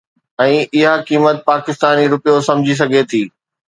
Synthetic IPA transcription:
ɛ̃ːʔɪɦakiːmət̪̚paːkɪst̪aːniɾʊpijosɐ̃md͡ʑʱis̬ɐɡʱet̪ʰiː

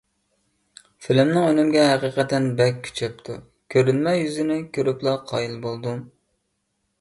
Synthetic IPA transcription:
fɪlɪmnɪŋønɪmɡʲɛɦæqiːqɛt̪ɛnbɛkːʲʰy̥t͡ʃʰɛp̚t̪ʰu | kʲʰøɾynmɛjjyzɪnɪkʲʰøɾyplˠɑqʰɑ̰ːjilˠbolˠd̪u

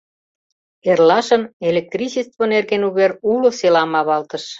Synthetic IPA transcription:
erlɑʃə̆nelek̚t̪risist̪βonerɣenuβeɾulŏselɑmɑβɑlt̪əʃ

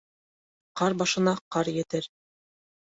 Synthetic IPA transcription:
qɑɾbɑʃɤ̆nɑqɑɾjɘ̆t̪ɘɾ

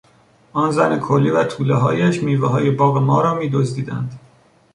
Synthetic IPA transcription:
ʔɒːnzænekʰolːiːvæt̪ʰuːleɦɒ̰ːjæʃmiːveɦɒːjebɒːɣemɒːɾɒːmiːd̪ozd̪iːd̪æ̰nd̪

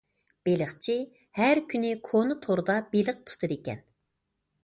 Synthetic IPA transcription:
b̥elɪχt͡ʃʰi | hæɾkʲʰynɪkʰonɨt̪ʰoɾɨd̪ɑbelɨq̚t̪ʰu̥t̪ʰɨd̪ekʲɛ̰n

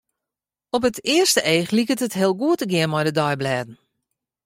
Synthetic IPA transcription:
ɔp̬ətʰɪərstəʔeːxlikətətɦɪəlˠɡuətəɡɪənmɔjdədɔjblɛːdn̩

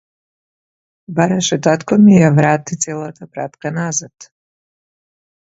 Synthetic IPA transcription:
baɾaʃɛt̪at̪kɔmijavɾat̪it̪sɛlˠat̪ʰapɾa̰t̪kanazat̪

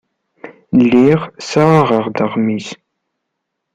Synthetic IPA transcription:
lːiʁsaʁəʁd̪əʁmis

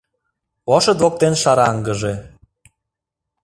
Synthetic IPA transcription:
oʃɤd̪ok̚t̪enʃɑɾɑŋɡə̆ʒe

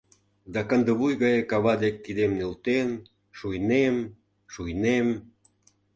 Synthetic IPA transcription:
d̪ɑkənd̪ə̆βujɣɑjekɑβɑd̪ek̚ːid̪emnelt̪en | ʃujnem | ʃujnem

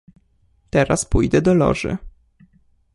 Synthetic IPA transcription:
t̪ɛɾaspujd̪ɛd̪ɔlɔ̰ʐɘ̰

